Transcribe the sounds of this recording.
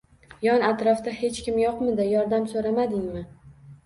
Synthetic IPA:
jɒnat̪ɾɒfd̪ahe̞t͡ʃkʲɪmjoqmɪd̪ɪjɒɾd̪amsoɾamad̪ɪŋmɪ

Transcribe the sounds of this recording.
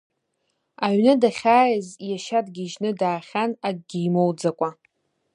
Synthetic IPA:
aɥnɨdaχʲaːjɪzjaʃadɡʲiʒnɨdaːχʲanaɡ̚ɡʲijmowd͡zakʷʼa

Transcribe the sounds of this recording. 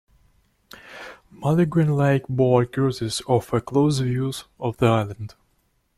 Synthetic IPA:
malɨɡɹɨ̃nlaɪkbɔlkʰɔzɪzɔfəkʰloʊzvjuzɔvðiaɪlˠə̃nd̥

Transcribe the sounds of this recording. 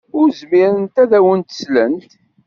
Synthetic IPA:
ʊɾzmiɾənt̪æðæwənt̪ə̥slənt̪

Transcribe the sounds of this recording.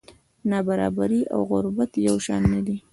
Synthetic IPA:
nabaɾɑbaɾiʔa̰wɣʊɾbat̪jawʃɑ̰nːad̪i

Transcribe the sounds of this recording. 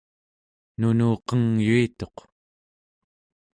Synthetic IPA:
nunuːqʌŋjuit̪o̞q

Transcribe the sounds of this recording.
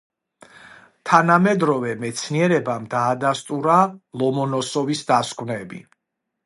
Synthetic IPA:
t̪ʰanamɛd̪ɾɔvɛmɛt̪sʰniɛɾɛbamd̪aːd̪ast̪ʼuɾalˠɔmɔnɔsɔvisd̪askʰʼvnɛbḭ

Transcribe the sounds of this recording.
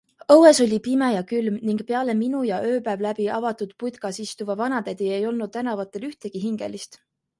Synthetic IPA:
ɤwe̞so̞lʲipimejɑkylmniŋɡ̥peɑle̞minujɑʔø̞ːpævlæb̥iʔɑvɑt̪ud̪̥pud̪kɑsist̪uvɑvɑnɑd̪æd̪̥ie̞jo̞lnud̥̪̚t̪ænɑvɑt̪ːˑe̞lyht̪e̞ɡ̥iɦiŋɡ̥e̞̰list̪

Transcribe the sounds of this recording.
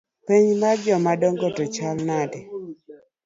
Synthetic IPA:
piɲmad͡ʒɔmadɔŋɡɔtɔt͡ʃalnadɛ

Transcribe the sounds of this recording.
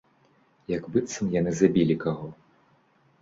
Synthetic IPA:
jaɡbɨt̪sɐmjanɨzabʲilʲikaɣɔ

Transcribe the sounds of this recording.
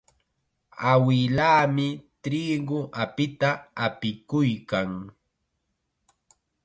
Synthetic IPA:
awɪlaːmɪt̪ɾiːɡʊʔapɪt̪aːpɪkʊjkaŋ

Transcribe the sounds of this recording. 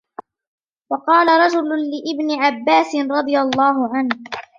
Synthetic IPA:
wɑqɑːlaɾˤɑd͡ʒʊlʊlɪʔɪbnɪʕabːaːsɪnɾˤɑd̪ˤɨjalˤːɑːɦʊʕanh

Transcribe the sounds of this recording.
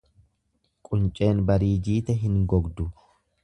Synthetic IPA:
kʼʊnt͡ʃʼe̞ːnbɐɾiːd͡ʒiːt̪ɛɦɪŋɡɔɡd̪ʊ

